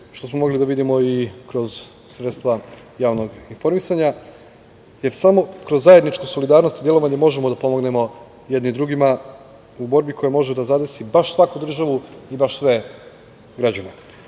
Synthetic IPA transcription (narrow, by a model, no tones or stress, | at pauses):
ʃt̪o̞smo̞mo̞ɡlid̪aʋid̪imo̞ikɾo̞z | sɾet̪st̪ʋa | jaːʋno̞ɡinfo̞ɾmisaɲa | je̞ɾsamo̞kɾozːaje̞d̪nit͡ʃkoso̞lid̪aːɾno̞st̪id̪je̞lo̞ʋaɲe̞mo̞ʒemo̞d̪apo̞mo̞ɡne̞mo̞ | jed̪nid̪ɾuɡima | ubo̞ɾbikʰo̞jemo̞ʒed̪azad̪ɾsibaʃsʋakud̪r̩ʒaʋuibaʃsʋe̞ | ɡɾad͡ʑane